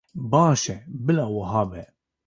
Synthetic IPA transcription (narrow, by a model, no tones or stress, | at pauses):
bɑːʃɛbɪlawɐɦɑːbɛ